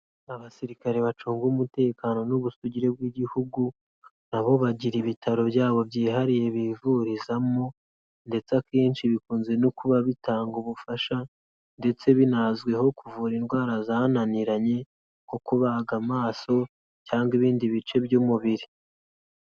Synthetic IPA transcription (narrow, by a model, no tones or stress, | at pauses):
aβasiɾikaɾe̞βat͡ʃuːŋɡuːmute̞ːkaːno̞nuβusuɟiɾe̞b̚ɡwiɟihuɡu | naβo̞βaɟiɾiβitʰaɾo̞bjaːβo̞bjiːɦaɾije̞βivuɾizamo | nde̞t͡sakeːnʃiβikuːnze̞nokuβaβitaːŋɡuβufaʃa | nde̞t͡se̞βinazɡwe̞ho̞kuvuːɾinɡwaːɾazananiɾaɲe̞ | ko̞kuβaɡamaːso̞ | caːŋɡiβiːndiβit͡ʃe̞bjumuβiɾi